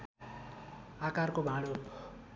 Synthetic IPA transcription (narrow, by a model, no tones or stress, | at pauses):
akarkobʱaɽo